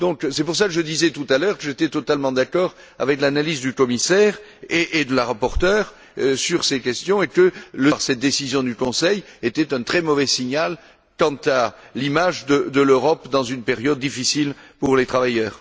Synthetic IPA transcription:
d̪ɔ̃ksɛpuʁs̬akəʒəd̪izɛt̪ut̪alœʁkəʒet̪ɛt̪ɔt̪almɑ̃d̪akɔʁ | a̰vɛklanalizd̪ykɔmisɛʁeʔed̪əlaʁapɔʁt̪œʁ | syʁsekʲɛst̪jɔ̃ekələʁsɛt̪̚d̪esizjɔ̃d̪ykɔ̃sɛjet̪ɛt̪ɛ̃t̪χɛmɔvɛsiɲal | kɑ̃t̪alimaʒd̪əd̪əløʁɔpd̪ɑ̃zynpeʁjɔd̪̚ːifisilpuʁlet̪χavajœːʁ

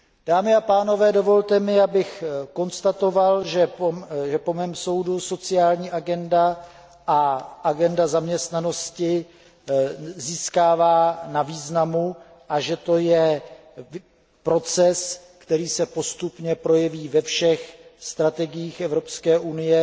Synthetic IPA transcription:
d̥aːmɪapaːno̞vɛːdo̞vo̞lt̪ɛmɪabɪxko̞nst̪at̪o̞valʒɛʒɛpo̞mɛːmso̞wduso̞t͡sɪaːlɲiːʔaɡɛnda | ʔaʔaɡɛndazamɲɛst̪nano̞scɪ | ziːskaːvaːnaviːznamu | ʔaʒɛt̪o̞jɛ | pɾo̞t͡sɛs | kt̪ɛɾiːsɛpo̞st̪upɲɛpɾo̞jɛviːvɛfʃɛxst̪ɾat̪ɛɡɪjiːxɛvɾo̞pskɛːʔunɪjɛ

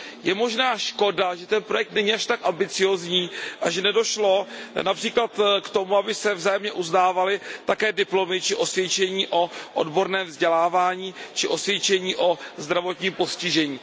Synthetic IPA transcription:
jɛmo̞ʒnaːʃko̞daʒɛt̪ɛnpɾo̞jɛk̚t̪nɛɲiaʃt̪akʔambɪt͡sɪjo̞ːzɲiːʔaʒɛnɛdo̞ʃlo̞napr̥iːklat̪kt̪o̞muabɪsɛvzaːjɛmɲɛʔuznaːvalɪt̪akɛːdɪplo̞mɪt͡ʃɪʔo̞svjɛt͡ʃɛɲiːʔo̞ʔo̰dbo̞ɾnɛːmvzɟɛlaːvaːɲiːt͡ʃɪʔo̞svjɛt͡ʃɛɲiːʔo̞zd̪ɾavo̞t̪ɲiːmpo̞scɪʒɛɲiː

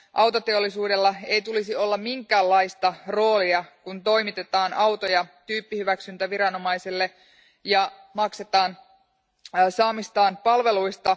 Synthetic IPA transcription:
ʔɑwt̪o̞t̪e̞o̞lːisuːde̞lːɑe̞ijt̪ulisio̞lːɑmmiŋkæːlːɑijst̪ɑro̞ːliɑkunt̪o̞jmit̪e̞t̪ɑːnʔɑwt̪ojɑt̪yːpːihyʋæksynt̪æʋiɾɑno̞mɑjselːe̞ | jɑ | mɑkse̞t̪ɑːn | sɑːmist̪ɑːnpɑlʋe̞luist̪ɑ

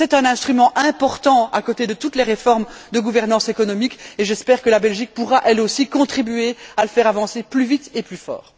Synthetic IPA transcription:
sɛt̪ɛ̃nɛ̃st̪χymɑ̃ʔɛ̃pɔʁt̪ɑ̃a̰kot̪ed̪ət̪ut̪leʁefɔʁmd̪əɡuvɛʁnɑ̃sekɔnɔmikeʒɛspɛːʁkəlabɛlʒik̚puʁaʔɛlosikɔ̃t̪χibɥealəfɛːʁavɑ̃seplyvit̪eplyfɔ̰ːʁ

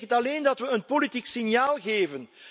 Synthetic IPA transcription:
ətɑleːndɑtʋəənpolitiksinjaːlˠɣeːvən

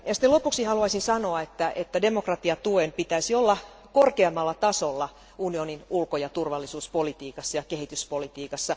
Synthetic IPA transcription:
jɑsi̥t̪elopuksihɑluɑisinsɑnoɑet̪ːæʔet̪ːæde̞mokrɑt̪iɑt̪uempit̪æisiolːɑ | korkeɑmːɑlːɑt̪ɑsolːɑ | unioninulkojɑt̪urʋɑlːisuːspolit̪iːkɑsːɑjɑkeɦit̪yspolit̪iːkɑsːɑ

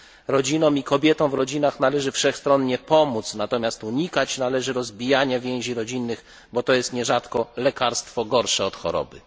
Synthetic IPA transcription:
ɾɔd͡ʑinɔ̃w̃ikɔbʲjɛt̪ɔ̃w̃vɾɔd͡ʑinaxnalɛʐɘfʂɛxst̪ɾɔnɲɛpɔmut̪snat̪ɔmʲast̪uɲikat͡ɕnalɛʐɘɾɔzbʲijaɲavʲjɛ̃w̃ʑiɾɔd͡ʑinːɘɣ | bɔt̪ɔjɛst̪ɲɛʐat̪kɔlɛkaɾst̪fɔɡɔɾʂɛɔt̪xɔ̰ɾɔ̰bɘ

